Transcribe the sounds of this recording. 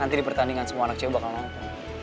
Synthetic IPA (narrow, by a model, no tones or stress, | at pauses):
ant̪idipərt̪aniŋansəmuaːnak̚t͡ʃeubakalnaŋt̪u